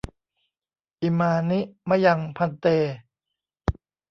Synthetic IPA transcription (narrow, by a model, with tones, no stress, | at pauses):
ʔi˧˩maː˧ni˦˥ʔma˧˥˩ja˧ŋpʰa˧nt̪eː˧